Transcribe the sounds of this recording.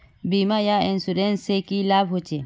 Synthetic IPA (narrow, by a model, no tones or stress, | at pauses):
bimajaensuɾensekilabʱɦot͡ʃe